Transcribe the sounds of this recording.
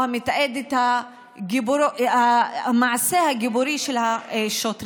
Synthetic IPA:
amet̪aʔed̪et̪ha | ɡibuɾamaʕasehaɡibuɾiʃelhaʃot̪ɾ

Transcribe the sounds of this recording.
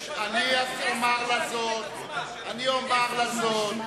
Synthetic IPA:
aniatomaʁlazot | aniomaʁlazot

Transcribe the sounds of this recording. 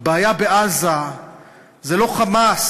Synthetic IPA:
baːjabeʔaza | zɛloχamas

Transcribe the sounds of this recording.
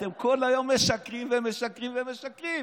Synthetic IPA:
t̪emkʰolajomːeʃakʁimvemeʃakʁimvemeʃakʁi

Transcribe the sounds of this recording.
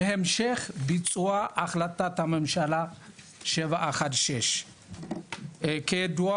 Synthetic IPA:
ehemʃeχbit͡sʼuaʔːχlat̪at̪hamemʃala | ʃevaʔaχat̪ʃeʃ | kejad̪ua

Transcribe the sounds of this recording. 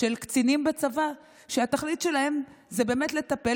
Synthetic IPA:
elkt͡sinimbat͡sava | ʃeat̪aχlit̪ʃe̞lahe̞mzebe̞ːmetle̞t̪ape

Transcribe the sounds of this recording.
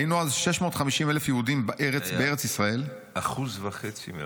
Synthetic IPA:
jinuazʃeʃmo̞ːtχamiʃimelefjehudimbaʔeʁet͡sbeeʁet͡sisʁae̞l | ʔaχuzvaχet͡sḭm̰

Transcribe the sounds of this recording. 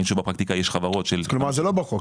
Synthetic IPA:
inʃubapʁakt̪ikajeʃχavaʁo̞t̪ʃelklumaʁzelobaok

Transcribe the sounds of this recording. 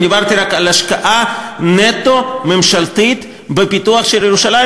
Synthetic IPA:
niβaɾt̪iɾakalaʃkaʔa | net̪omemʃalt̪it̪ | bepit̪uaχʃeɾeɾuʃala

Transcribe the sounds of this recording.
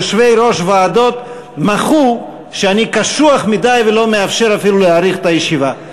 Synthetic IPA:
ʃve̞jɾo̞ʃvaːdo̞t̪ | maχu | ʃeanikaʃuaχmidajvelo̞meafʃe̞ɾafiluleaʁiχet̪ajeʃiva

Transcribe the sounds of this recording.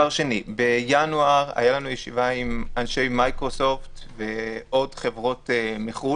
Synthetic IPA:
aʁʃe̞nibe̞januaʁa̰jalanujeʃivaimanʃe̞jmajkʁoso̞ftve̞ʔo̞dχe̞vʁo̞temeχu

